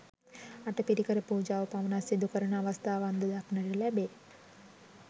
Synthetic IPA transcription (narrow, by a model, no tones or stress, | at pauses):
aʈəpiɾikəɾəpuːd͡ʒaːʋəpaʋənasid̪ukəɾəɳəaʋəst̪ʰaːʋand̪əd̪aknəɾəlæbeː